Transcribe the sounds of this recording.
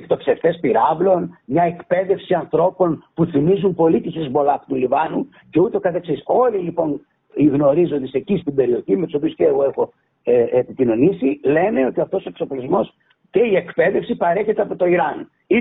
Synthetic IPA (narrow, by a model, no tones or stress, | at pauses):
kt̪o̞pseft̪e̞spiɾɐvlo̞nmɲɐe̞kpe̞ðe̞fsiɐnθɾo̞po̞npuθimizumpo̞lit̪isizbo̞lɐpot̪ulivɐnu | ce̞ut̪e̞o̞kɐt̪eksiso̞lilipo̞n | iɣno̞ɾizond̪esecist̪ibe̞ɾio̞çimet̪uso̞piusceːɣo̞exo̞ | eepitino̞nisile̞ne̞o̞t̪iɐft̪o̞so̞ekso̞plizmo̞s | ce̞ie̞kpe̞ðe̞fsipɐɾe̞çet̪e̞ɐpo̞t̪o̞iɾɐn | i